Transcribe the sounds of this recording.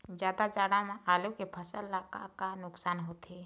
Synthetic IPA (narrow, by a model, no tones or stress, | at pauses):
d͡ʒjaːd̪ad͡ʒaːɽamẽʔaːlukepʰəsəlːaka̰kanʊksaːnɦoːt̪e